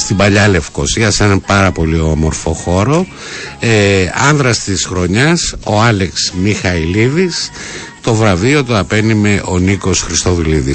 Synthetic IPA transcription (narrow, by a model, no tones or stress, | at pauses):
st̪ibɐʎɐle̞fko̞siɐsenɐpɐɾɐpo̞liomo̞ɾfo̞xo̞ɾo̞ | eɐnðɾɐst̪isxɾo̞ɲɐso̞ɐleksmixɐiliðis | t̪o̞vɾɐvio̞t̪uɐpe̞nime̞ʔo̞niko̞sxɾist̪o̞viliði